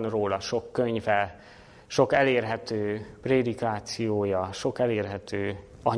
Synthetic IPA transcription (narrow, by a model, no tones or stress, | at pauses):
nroːlɒʃo̞kːøɲvɛ | ʃo̞kɛleːrɦɛt̪øːpreːd̪ikaːt̪sijoːjɒʃo̞kɛleːrɦɛt̪øː | ɒɲ